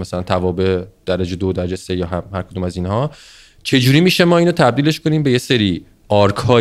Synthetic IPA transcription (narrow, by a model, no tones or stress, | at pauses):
mæsælænt̪ʰævɒːbed̪̥æɾed͡ʒed̪od̪æɾæd͡ʒesejɒːɦæhæɾkʰod̪uːmæzinhɒː | t͡ʃʰe̞d͡ʒuːɾiːmiːʃe̞mɒːiːnot̪ʰæb̚d̪iːle̞ʃkʰo̞niːmbe̞je̞se̞ɾiː | ɒːɾkʰhɒː